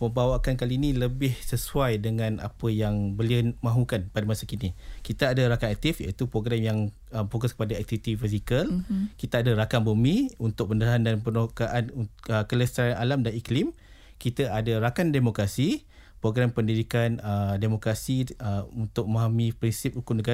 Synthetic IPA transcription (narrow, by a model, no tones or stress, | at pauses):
məmbawakankaliːnĩləbɪhsəsuajdəŋãna̰pəjaŋbəliəmãɦukanpadamasakinikit̪aːdaɾakaŋak̚t̪ifja̰it̪upɾoɡɾamjaŋ | əmfokɔskə̥padaɛk̚t̪ivit̪ifizikəlkit̪aadaɾakambəmiunt̪ʊk̚pəndəɾaɦandanpənokaʔanuəkələst̪aɾanʔalamdaniklim | kit̪aadaɾakandemokɾasi | pɾoɡɾampəndidikanədemokɾasiəunt̪ʊk̚maɦamipɾinsɪp̚ɾukumnəɡa